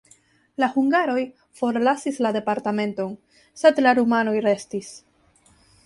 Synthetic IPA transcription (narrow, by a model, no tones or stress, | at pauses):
lahuŋɡaɾo̞j | fo̞ɾlasislade̞paɾtame̞nto̞n | se̞dlaɾumano̞jɾe̞stis